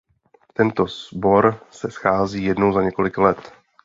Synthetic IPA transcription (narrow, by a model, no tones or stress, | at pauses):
t̪ɛnt̪o̞zbo̞ɾsɛsxaːziːjɛdnowzaɲɛko̞lɪklɛt̪